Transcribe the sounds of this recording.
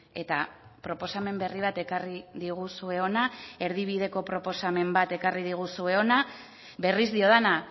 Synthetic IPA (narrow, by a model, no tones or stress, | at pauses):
e̞t̪a | pɾo̞po̞same̞mbe̞riβat̪e̞kariðiɣ̞usue̞o̞nae̞ɾðiβ̞ið̞e̞ko̞pɾo̞po̞same̞mbat̪e̞karið̞iɣ̞usue̞o̞na | βe̞rizd̪io̞ðena